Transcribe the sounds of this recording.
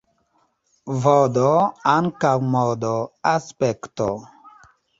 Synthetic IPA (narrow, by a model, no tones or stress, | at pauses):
vodoaŋkawmɔdoaspekto